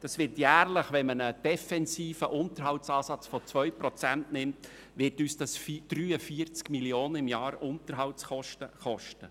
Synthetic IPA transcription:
d̥ɑsʋɪɾtjæːrləχʋɛnmənəd̥ɛfɛnsiːfəʔʊnt̪əɾɦɑltsɑːsɑt͡sfɔt͡sʋœʏpɾɔt͡sæntnɪmt | ʋɪɾtyːsd̥ɑsfd̥ɾyːəfiəɾt͡skmiljoːnəɪmjɑːɾʊntəɾɦɑlt͡sχɔʃtəχɔʃtə

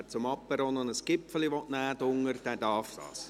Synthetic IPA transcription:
t͡sʊmɑpːəɾonɔnəsɡ̥ɪpfəliʋɔtnæːd̥ʊŋəɾd̥æd̥ɑrfd̥ɑ̰ːs

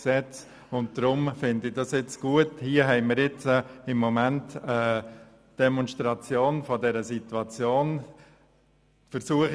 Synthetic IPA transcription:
sɛt͡s | ʊnt̚d̥ɾʊmfɪndɪdɑsɪt͡sɡ̥uəthiəɦɛɪməɾjɪt͡səɪmːɔmæntə | d̥ɛmɔnʃtɾɑt͡sjoːnfɔdɛɾəsitwɑt͡sjoːn | fəɾsuəχ

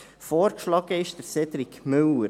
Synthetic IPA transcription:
fɔːɾkʃlɑɡ̥əɪʃd̥əɾsɛdɾɪkmɵlə

